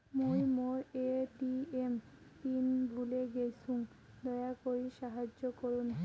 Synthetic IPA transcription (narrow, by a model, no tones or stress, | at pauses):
mojmoeʈiem | t̪inbʱuleɡejsuŋ | d̪ɔeakoɾiʃaɦad͡ʑːokoɾun